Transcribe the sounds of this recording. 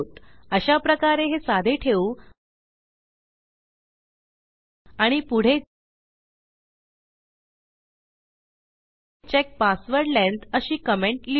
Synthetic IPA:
t̪əɕapɾəkaɾeɦesad̪ʱeʈʰeu | aɽ̃ipuɽ̤e | t͡ɕek̚pasʋəɾlẽnt̪əɕiːkəmeɳʈli

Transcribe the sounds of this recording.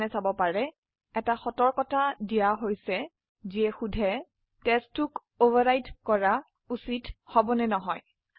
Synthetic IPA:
nɛsabɔpaɹɛ | ɛtaxɔtɔɹkɔtadijaɦojsɛ | ziɛxudʱɛ | tɛstːuk | ovʱaɹajtkɔɹa | usithɔbɔnɛnɔɦɔj

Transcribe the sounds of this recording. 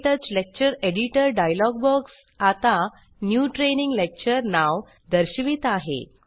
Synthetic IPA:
ʈəɾt͡ɕlek̚t͡ɕəɾeɽiʈəɾɖajlɔɡ̚bəks | at̪a | njuʈɾeniŋɡlek̚t͡ɕəɾnaw | d̪əɾɕiʋiːt̪aɦḛ

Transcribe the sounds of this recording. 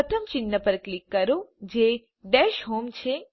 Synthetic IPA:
ət̪ʰəmt͡ʃɪnːəpəɾklikːəɾod͡ʒe | ɖɛʃɦomt͡ʃʰe

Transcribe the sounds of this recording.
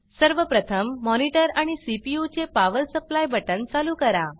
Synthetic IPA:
səɾʋəpɾət̪ʰəmːɔniʈəɾaɽ̃isipijut͡ɕepaʋəlsəplajbəʈənt͡saluːkəɾa

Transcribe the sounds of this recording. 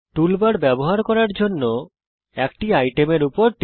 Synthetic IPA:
ʈulbaɾbɛboɦaɾkɔɾaɾd͡ʑonːo | ɛkʈiajʈemeɾupoɾʈ̪

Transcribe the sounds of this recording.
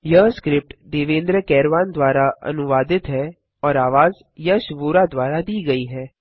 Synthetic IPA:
jɐɦskɾɪp̚ʈd̪eːʋẽːnd̪ɾəkɛːɾʋaːnd̪waːɾaɐ̰nʊʋaːd̪ɪt̪ɦɛː | ɔːɾaːʋaːz | jɐʃʊboːɾad̪waːɾad̪iːɡɐiɦɛː

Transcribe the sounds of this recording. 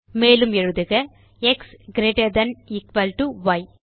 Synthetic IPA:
meːlɯmɛɻɯðɯɣɐ | ɛksɡɾeːʈɐd̪ɐnɪkʋɐlʈuʋɐɪ

